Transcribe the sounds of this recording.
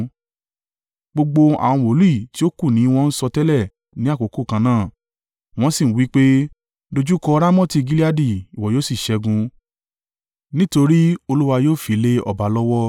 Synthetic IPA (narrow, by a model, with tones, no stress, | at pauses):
ɡ͡bo˧ɡ͡bo˧a̰˨w̃ɔ̃˧wo˨˦lu˦i˦˨ti˦o˦ku˦˨nĩ˨˦w̃ɔ̃˧n̩˦sɔ˧tɛ˦lɛ˦˨ | nĩ˨˦a˦˨ko˨ko˦˨kã˧nãː˦˨ | w̃ɔ̃˦si˦˨n̩˦wi˨˦k͡pe˦ | do˧d͡ʒu˦kɔ˧˦ɾa˦mɔ̃˦ti˧ɡi˦li˦a˦di˦˨i˨wɔ˨joː˦si˦˨ʃɛ˧ɡũ˧ | nĩ˦to˧ɾi˦o˧lu˦wa˧joː˦˨fi˨˦le˦ɔ̰˦˨ba˨˦lɔ˦wɔ˦